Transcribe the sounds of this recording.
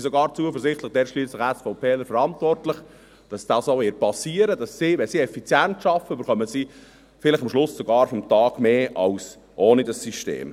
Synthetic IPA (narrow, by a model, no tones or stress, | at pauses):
isɔɡɑːɾt͡suəfəɾzɪχtlɪχd̥ɛɾʃliːslɪχɛsfɔʊpʰeːləɾfəɾɑntvɔrtlɪχ | d̥ɑsd̥ɑːsoʋeːpɑsiːəɾədɑsːiʋɛnsiɛfit͡sjɛntʃɑfəybəɾχœməzi | fɪlɪχɑmʃlʊsːoɡɑːɾfɔmtɑːɡ̥meːʔɑls | ʔoːnidɑsːyʃtḛːm